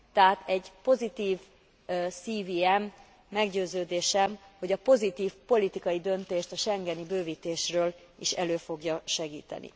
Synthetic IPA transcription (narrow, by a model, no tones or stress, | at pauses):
t̪ɛɦat̪ʰɛɟpo̞zit̪iːv | siːviːɛmː | ɛɡɟøːzøːd̪eːʃɛmho̞ɟɒpo̞zit̪iːfpo̞lit̪ikɒjid̪ø̞nt̪eːʃt̪ɒʃɛŋɡɛnibøːviːt̪eːʃrøːl | iʃɛløːfo̞ɡjɒʃɛɡiːt̪ɛ̰nḭ